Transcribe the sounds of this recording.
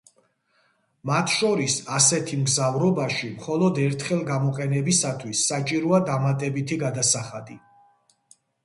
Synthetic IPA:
mat̪ʰʃɔɾisasɛt̪ʰimɡzavɾɔbaʃimχɔlɔd̪ɛɾt̪ʰχɛlˠɡamɔqʼɛnɛbisat̪ʰwisːat͡ʃʼiɾɔad̪amat̪ʼɛbit̪ʰiɡad̪asaχad̪i

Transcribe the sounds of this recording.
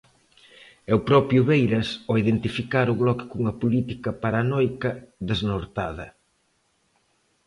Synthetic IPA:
ɛʊpɾɔpɾjʊβejɾɐsɔiðent̪ifikaɾʊɣlɔkɪ̥kuŋɐpulit̪ikɐpaɾanɔjkɐðeznoɾt̪aðɐ

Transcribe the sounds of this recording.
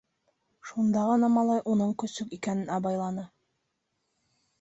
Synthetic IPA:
ʃund̪ɑʁɤnɑmɑlˠɑjʔunɤɴkɵ̆sɵkikænɘnɑβɑjlˠɑnɤ

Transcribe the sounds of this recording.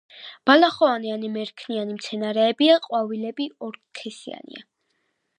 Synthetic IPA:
b̥alaχɔanianimɛɾkʰnianimt̪sʰɛnaɾɛːbiaqʼwavilɛbiɔɾkʰɛsḭa̰nḭa̰

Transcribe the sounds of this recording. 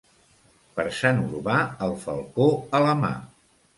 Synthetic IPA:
pəɾsanuɾβaəlˠfə̰lˠkoələma̰

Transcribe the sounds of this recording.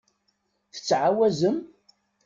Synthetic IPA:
θə̥t͡sːʕawæzəm

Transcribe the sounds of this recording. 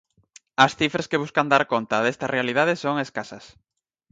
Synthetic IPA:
ɐsθifɾeskeβuskand̪aɾkont̪ɐðest̪ɐrealið̞aðesoŋeskasɐs

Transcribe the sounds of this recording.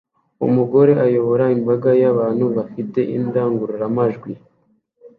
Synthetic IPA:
ṵmuɡo̞ɾe̞ʔajo̞βo̞ɾaimbaɡajaβaːnhuβafite̞ʔindaːŋɡuɾuɾamaʒɡwi

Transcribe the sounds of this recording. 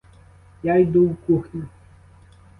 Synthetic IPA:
jajd̪uwkuxnʲu

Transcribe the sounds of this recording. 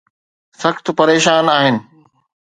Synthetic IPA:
sɐxt̪pɐɾeːʃaːnaːɦɪnɪ̆

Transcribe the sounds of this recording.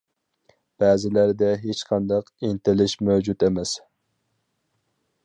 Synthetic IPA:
b̥æːzɪlæɾd̪ɛɦet͡ʃqʰɑnd̪ɑqɪnt̪ɪlɪʃmæwd͡ʒut̪emɛs

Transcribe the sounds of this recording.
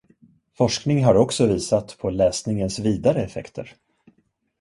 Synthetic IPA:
fɔʂknɪŋɦaɾɔksɔviːsat̪pʰɔlɛːsnɪŋənsviːd̪aɾəɛfɛ̰kt̪ʰə̰ɾ

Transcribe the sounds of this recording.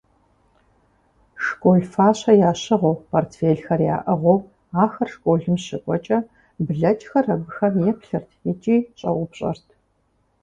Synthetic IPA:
ʂkʷʼoːɮfaːɕɐjaːɕɪʁʷowpʰoːrtʰfeːɮxɐrja̰ːʔɐʁʷɔw | aːxɐrʂkʷʼoːɮɨmɕɪkʷʼɔt͡ʃʼɐ | bɮɐt͡ʃʼxɐrɐɡɨxɐrjɛpɬɨrtʰjɛt͡ʃʼiːɕʼɐ̰wʊpɕʼɐ̰rtʰ

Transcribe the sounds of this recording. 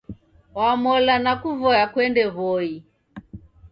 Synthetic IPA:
wamɔlanakuvɔjakwɛndɛβɔi

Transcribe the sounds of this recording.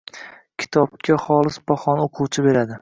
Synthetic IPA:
kʲʰɪ̥t̪ʰɒbkʲʰaχɒlˠɪsbɒχɒnoqʰuwt͡ʃʰɪbe̞ɾad̪ɪ

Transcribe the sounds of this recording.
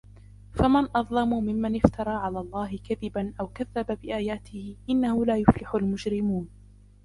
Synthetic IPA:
famanʔɑðˤlɑmumɪmːanɪft̪ɑɾˤɑːʕalaːlˤːɑːɦɪkaðɪbanʔawkaðːababɪʔaːjaːt̪ɪhɪʔɪnːahʊlaːjʊflɪħʊlmʊd͡ʒɾɪmuːn

